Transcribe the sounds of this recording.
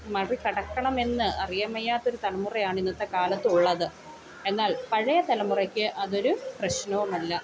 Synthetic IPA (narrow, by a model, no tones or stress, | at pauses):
mɐrikɐɽɐkːɐɳɐme̞nːɨʔɐrijɐmɐjːaːt̪ːo̞ɾut̪ɐlɐmurɐjaːɳinːɐt̪ːe̞kaːlɐt̪ːɨuɭːɐðɨ | e̞nːaːlpɐɻɐjɐt̪ɐlɐmurɐkʲːɨʔɐðo̞ɾuprɐɕnɐʋumɐlːɐ